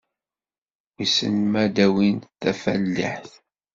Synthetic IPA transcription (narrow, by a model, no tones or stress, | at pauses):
isə̰nmæd̪æwinθæfælːə̰ħθ